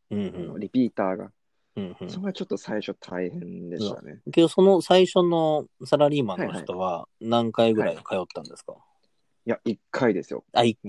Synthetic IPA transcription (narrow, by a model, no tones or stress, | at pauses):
ɯ̟̃ɴhɯ̃oɾʲipʲiːt̪aːɡa̰ | ɯ̟̃ːhɯ̟̃soɾeɡat͡ɕo̞t̪ːo̞saiɕo̞t̪ʰaihẽnd̪e̞t̪a̰nḛkʲed̪oso̞no̞saiɕo̞no̞saɾaɾʲiːmanoçi̥t̪o̞βanãŋkaiɡɯ̟ɾaikʰajo̞t̪ːãnd̪e̞sɨ̥ka̰ | jaikʰːaid̪e̞sɨjo̰ai